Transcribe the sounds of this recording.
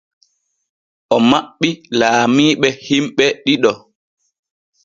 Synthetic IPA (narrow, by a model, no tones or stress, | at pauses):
ʔɔmaɓːilaːmiːɓɛhimɓɛɗiɗɔ